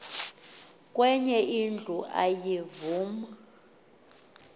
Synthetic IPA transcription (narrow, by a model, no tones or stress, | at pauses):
kʼwɛɲɛʔind͡ɮʱuʔa̰jivuːma